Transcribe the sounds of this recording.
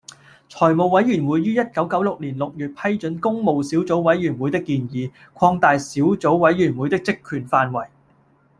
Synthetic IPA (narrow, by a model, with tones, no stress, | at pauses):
t͡ʃʰɔː˨˩jmo˨wwɐ˨˥jyː˨˩nwu˨˥jːyː˥jɐ˥t̚kɐ˨˥wkɐ˨˥wlʊ˨k̚liː˨˩nlʊ˨k̚jyː˨t̚pʰɐ˥jt͡ʃɵ˨˥nkʊ˥ŋmo˨wsi˨˥wt͡so˨˥wwɐ˨˥jɥyː˨˩nwuː˨˧jt̪ɪ˥kːiː˧njiː˨˧ | kʷʰɔː˧ŋt̪aː˨jsiː˨˥wt͡so˨˥wwɐ˨˥jɥyː˨˩nwuː˨˧jt̪ɪ˥k̚t͡sɪ˥kʰːyː˨˩nfaː˧nwɐ˨˩j